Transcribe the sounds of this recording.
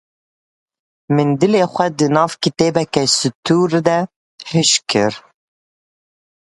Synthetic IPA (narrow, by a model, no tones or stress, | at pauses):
mɨnd̪ɨleːxʷɛd̪ɨnɑːvkit̪eːbɛkɛsɨt̪ʰuːɾd̪ɛ | hɨʃkʰɨɾ